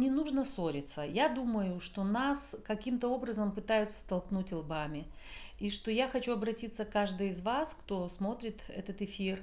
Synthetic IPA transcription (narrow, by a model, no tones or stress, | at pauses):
nʲɪnuʐnəso̞ɾʲɪt̪səjad̪uməjʊʂt̪o̞naskɐkʲimt̪əo̞bɾəzəmpɨt̪ajʊt̪sːə̥st̪ɐlˠknutʲɪlˠbamʲɪ | iʂt̪o̞jaxɐt͡ɕuɐbɾɐtʲit̪sːəkaʐd̪ɨjɪzvaskt̪o̞smo̞t̪ɾʲɪt̪ɛ̰t̪ət̪ɪfʲir